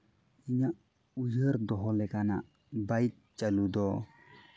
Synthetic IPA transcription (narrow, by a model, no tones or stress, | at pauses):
iɲaʔ | ujəɾd̪ɔɦɔlɛkana̰ʔ | bajt̪̚t͡ʃalud̪ɔ